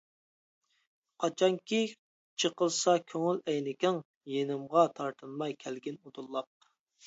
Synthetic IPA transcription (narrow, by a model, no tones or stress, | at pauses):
qʰɑt͡ʃʰɑŋkʲʰi | t͡ʃʰəqəlˠsɑkʲʰøŋylɛjnɪkʲɪŋ | jenɪmʁɑt̪ʰɑɾt̪ʰɨnmɑjkʲʰɛlɡʲɪnud̪ulˠːɑq̚